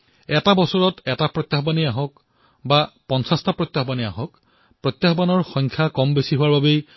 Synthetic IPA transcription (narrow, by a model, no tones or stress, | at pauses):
ɛtabɔsɔɹɔtɛtapɹɔt̪ːjaxɔbaniaɦɔk | bapɔnsastapɹɔt̪ːjaɦɔbania̰ɦɔk | pɹɔt̪ːjaxɔbanɔɹxɔ̃jŋkʰjakɔmbesiɦʊwaɹbabej